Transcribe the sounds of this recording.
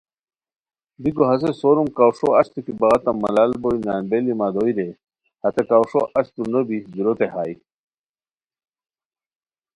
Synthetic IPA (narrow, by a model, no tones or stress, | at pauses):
b̪iɡoɦɐs̬esoɾumkawʂoɐɕt̪ikibɐɣɐt̪ɐmɐ̰laːlboinaːnbelimad̪ojɾe | hɐt̪ekaːwʂo̰ʔɐɕt̪unobiɡiɾot̪eha̰ːj